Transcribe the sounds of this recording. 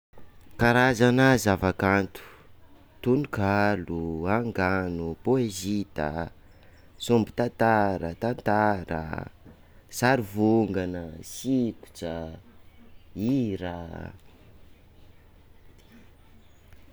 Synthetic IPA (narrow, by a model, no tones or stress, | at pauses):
kaɾazanazavakant̪u̥ | t̪unukaluaŋɡanupoezit̪ə̰ | sumbi̥t̪ant̪aɾə̰t̪ant̪aɾə̰ | saɾivuŋɡanəsiku̥t͡ʃə | iɾa